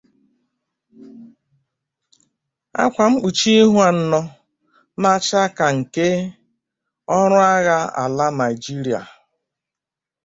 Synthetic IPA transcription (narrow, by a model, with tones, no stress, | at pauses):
a̰˦kʷa˨m̩˦k͡pu˨t͡ʃi˦i˦ɦu˦a˨n̩˦nɔ˦ | ma˦t͡ʃa˦ka˨ŋ̩˨ke˦ | ɔ˦ɾʊ˦a˦ɣa˦a̰˨la˦na˨i˨d͡ʒi˦ɾi˨a̰˨